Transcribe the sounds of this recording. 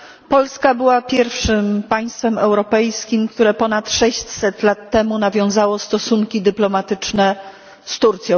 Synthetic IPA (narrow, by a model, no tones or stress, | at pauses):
pɔlskabɘwapʲjɛɾfʂɘmpaj̃st̪fɛmɛwɾɔpɛjskʲimkt̪uɾɛpɔnat̪ʂɛɕt͡ɕsɛt̪lat̪ːɛmunavʲjɔ̃w̃zawɔst̪ɔsuŋkʲid̪ɘplɔmat̪ɘt͡ʂnɛ | st̪uɾt̪sʲjɔ̃